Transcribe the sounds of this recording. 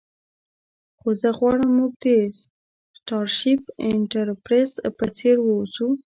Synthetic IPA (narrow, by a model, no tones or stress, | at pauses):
xozəɣwɑɽəmːuɡ̚d̪es | sʈɑɾʃipɪɳʈaɾpɾespət͡seɾwəzu